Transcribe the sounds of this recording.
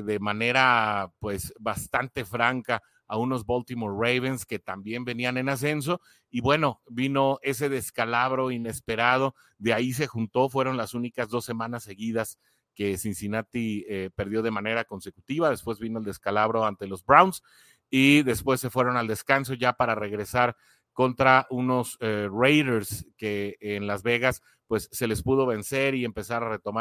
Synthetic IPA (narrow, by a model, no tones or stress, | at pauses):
ðe̞mane̞ɾapwe̞sβast̪ant̪e̞fɾaŋkaː | uno̞zβo̞lt̪imoɾːejβenske̞t̪ambje̞mbe̞niane̞nas̬e̞ns̬o̞ | iβwe̞no̞bino̞e̞s̬e̞ð̞e̞skalaβɾo̞ine̞spe̞ɾað̞o̞ | ðeais̬e̞xunt̪o̞fwe̞ɾo̞nlasunikazðo̞sːe̞mãnasːe̞ɣiðas | ke̞sinsinat̪iepe̞ɾð̞jo̞ðe̞mãne̞ɾako̞nse̞kut̪iβaðe̞spwe̞zβino̞eld̪e̞skalaβɾo̞ant̪e̞lo̞zbɾawns | iðe̞spwe̞sːe̞fwe̞ɾo̞nald̪eskans̬o̞ʝapaɾare̞ɣɾe̞saɾ | ko̞nt̪ɾauno̞srejɾeɾskeːnlazβe̞ɣas | pwe̞sːe̞le̞spuð̞o̞βe̞nse̞ɾie̞mpe̞saɾare̞t̪o̞ma